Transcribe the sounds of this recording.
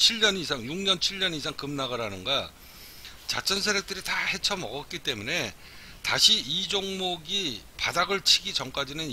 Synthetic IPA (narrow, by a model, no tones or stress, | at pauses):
t͡ɕʰiɭɲʌnisʰaŋjuŋɲʌnt͡ɕʰiɭɲʌnis̬ʰaŋkɯmnaɡaɾanɯnɡa | t͡ɕa̰t͡ɕ͈ʌnsʰeɾjʌk̚t͈ɯɾitahe̞t͡ɕʰʌmʌ̰ɡʌt̚k͈it͈e̞mune̞ | taɕʰiid͡ʑoŋmoɡipadaɡɯɭt͡ɕʰiɡit͡ɕʌmk͈ad͡ʑinɯn